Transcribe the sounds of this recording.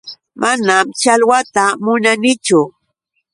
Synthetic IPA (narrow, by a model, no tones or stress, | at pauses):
manamt͡ʃalwat̪amʊnanɪt͡ʃʊ